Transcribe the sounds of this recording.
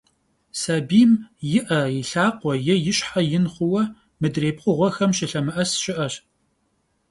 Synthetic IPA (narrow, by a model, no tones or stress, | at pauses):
sabiːmjɪʔɐjɪɬaːqʷɔjɪjɪɕħajɪnχʷʊwɐ | mɨdreːp̚qʷʊʁʷɔxɐmʃɪɬɐmɨʔɐsʃɪʔɐɕ